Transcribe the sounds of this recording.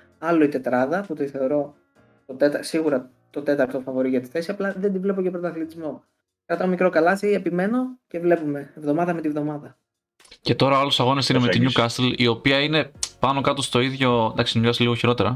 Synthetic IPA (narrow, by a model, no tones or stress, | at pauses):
ɐlo̞it̪e̞t̪ɾɐðɐput̪iθe̞o̞ɾo̞ | t̪o̞t̪e̞t̪ɐsiɣuɾɐ | t̪ot̪e̞t̪ɐɾt̪o̞fɐvo̞ɾiʝɐt̪i̥θe̞siɐplɐðed̪ivle̞pocepɾot̪ɐθlit̪izmo̞ | kɾɐt̪omikɾo̞kɐlɐsiepime̞no̞ce̞vle̞pume̞ːvðo̞mɐðɐmet̪ivðo̞mɐðɐ | ce̞t̪o̞ɾɐolosɐɣo̞nesinemet̪iɲukɐst̪elio̞piɐine̞pɐno̞kɐt̪o̞st̪o̞iðʝo̞d̪ɐksʎɐsiliɣo̞çiɾo̞t̪e̞ɾɐ